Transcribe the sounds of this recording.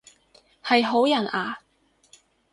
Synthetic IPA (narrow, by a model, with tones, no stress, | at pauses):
hɐ˨jɦo˨˥wjɐ˨˩naː˨˧